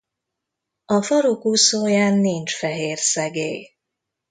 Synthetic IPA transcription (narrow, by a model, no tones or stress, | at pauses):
ɒfɒɾokusoːjaːnːint͡ʃfɛɦeːrsɛɡeːj